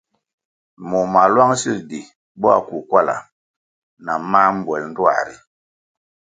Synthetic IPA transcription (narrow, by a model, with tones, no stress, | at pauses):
mu˨ma˨lwa˦ŋsi˦˨di˨ | bɔ˦a˦˨ku˨kwa˦˨la̰˨ | na˨ma˦m̩˦bwɛ˨ln̩˦dwa̰˦˨ɾi˨